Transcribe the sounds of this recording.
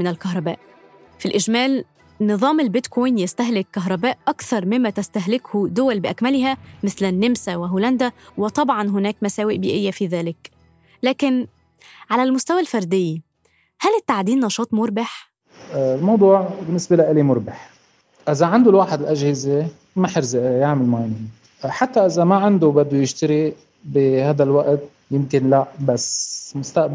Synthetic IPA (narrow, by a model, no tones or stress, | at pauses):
mɪnɪlkɑɦɾˤɑbæ̰ːʔ | filʔɪʒmæːl | nɨðˤɑːmelbɪt̪kʰojnjæst̪æɦlɪkːɑɦɾˤɑbæːʔʔɑkθɑɾˤmɪmːæt̪æst̪æɦlɪkhud̪ʊwælbɪʔækmælɦæmɪθlɪnːemsæwɪɦuːlænd̪æwɪt̪ˤɑbʕɑnɦʊnæːkmæsæːwɪʔbiːʔɪjːæfiðæːlɪk | læːkɪn | ʕalælmʊst̪æwælfɑɾˤd̪ɪjːi | hælɪt̪ːaʕd̪iːnːɑʃɑːt̪ˤmʊɾˤbaħ | lmɑwd̪ˤuːʕbɪnːɪsbelaʔɪlimʊɾˤbɪħ | ʔɪzaʕand̪ulwaːħɪd̪ɪlʔaʒhɪze | maħɾzaʔjaʕmɪlmaʕanin | ħat̪ːaʔɪzamaʕand̪ubad̪ːujɪʃt̪ɪɾi | bihaːd̪alwaʔt̪̚ | jɪmkɪnlaʔbasmʊst̪aʔb